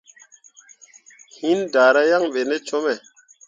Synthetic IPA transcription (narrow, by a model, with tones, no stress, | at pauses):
hi˦nda˨ɾa˦ja˦ŋɓe˨ne˦t͡ʃo˦mɛ˨